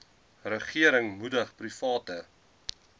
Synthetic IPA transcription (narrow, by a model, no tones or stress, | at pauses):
rəχiəɾəŋmudəχprifɑːtə